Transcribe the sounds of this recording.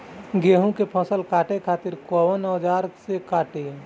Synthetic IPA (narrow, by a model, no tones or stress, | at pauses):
ɡeːɦũkepʰə̃səlkaːʈekʰaːt̪ɪɾkɔːʋənɔd͡ʒaːɾsekaːʈe